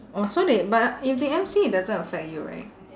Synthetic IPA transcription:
ɔsodebatifdiɛ̃msidazə̃nəfɛk̚juɹa̰ɪt̚

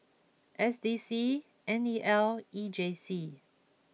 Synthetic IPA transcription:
ʔɛsdisi | ʔɛ̃niʔɛlid͡ʒesi

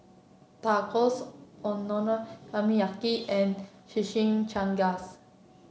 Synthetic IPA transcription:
t̪akɔsɔ̃nːɔnəamiakiɛ̃n | ʃiʃĩŋt͡ʃãŋɡas

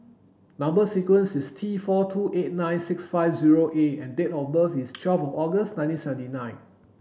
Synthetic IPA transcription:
nãmbəsikwə̃nsistʰifɔtʰuʔet̚nãjnsɪksfaɪfziɹoʔeɛ̃ndetɔfbəfist͡ʃʰwɛlfɔfɔɡəsnãɪ̃tĩnsɛvə̃ntinãɪ̃n

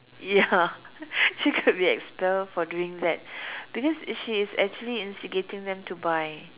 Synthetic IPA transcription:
ja | ʃikʰʊt̚biɛ̰kspɛlfɔduɪ̃ŋdɛt̚b̥ikɔsʃiːsɛ̰k̚t͡ʃuəliĩnstiɡetɪ̃ŋd̪ɛ̃mtubaj

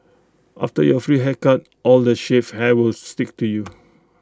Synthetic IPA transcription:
ʔa̰ftəjɔfɹiɦɛkat̚ | ʔɔldəʃefhɛwɪlstɪk̚tuju

